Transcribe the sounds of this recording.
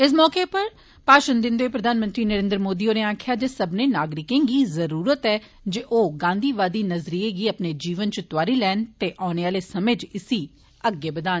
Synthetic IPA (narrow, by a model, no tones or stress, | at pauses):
ɪs̬mɔːkeːpəɾ | paːʃənd̪ɪ̃nd̪oːeːpɾəd̪ʱaːnmə̃nt̪ɾiːnəɾẽːnd̪ɾəmoːd̪iːoːneːaːkʰɪjaːd͡ʒeːsəbneːnaːɡɾɪkẽːɡiːzəɾuːɾət̪ɛː | d͡ʒeʔoːɡãːnd̪iːʋaːd̪iːnəzɾiːeːɡiːəpneːd͡ʒiːʋənt͡ʃt̪ʊaːɾiːlɛːnt̪eːʔaːneːaːleːsəmed͡ʒɪsiː | əɡeːbəd̪aːn